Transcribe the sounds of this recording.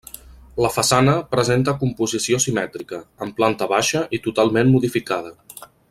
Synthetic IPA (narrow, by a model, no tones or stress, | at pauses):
ləfəsanəpɾəzent̪əkumpuzisiosimɛt̪ɾikəːmplant̪əβaʃəʔit̪ut̪alˠmenmuðifikað̞ə